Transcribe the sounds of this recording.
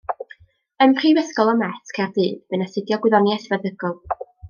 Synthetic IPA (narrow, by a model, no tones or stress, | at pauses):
əmʰr̥ivəskɔlˠɔmɛθkʰardɨːdb̥ɨnasɪdjɔɡwɪðɔniɛsvəðəɡɔlˠ